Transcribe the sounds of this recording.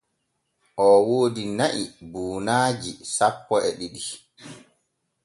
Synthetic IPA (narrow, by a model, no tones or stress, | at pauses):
ʔɔwoːdinaʔibuːnaːd͡ʒisapːɔɛɗiɗi